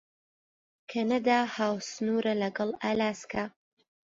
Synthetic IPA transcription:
kʰɐnɐd̪aːhaːwsɨnuːɾɐlɐɡɐlˠaːlaːskʰa

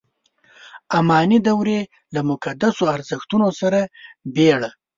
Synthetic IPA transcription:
amɑnid̪awɾe | lamʊkad̪asoaɾzəxt̪unosaɾabeɽa

